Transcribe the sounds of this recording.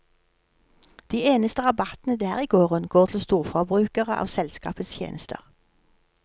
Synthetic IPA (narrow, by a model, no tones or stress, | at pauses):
d̪̥iːeːnəst̪əʁɑbɑt̪nəd̪æːʁiːɡoːʁənɡoːʁt̪ʰl̩st̪uːʁfɔbʁʉːkəʁəʔɑ̰ːʋsɛlskɑ̰ːpət̪st̪ʰjḛːnəst̪ʰə̰ʁ